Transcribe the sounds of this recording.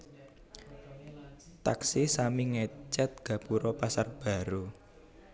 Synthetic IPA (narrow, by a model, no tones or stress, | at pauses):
t̪aksisamiŋet͡ʃɛt̪̚ɡ̥ä̤puɾɔpasarb̥ä̤ɾu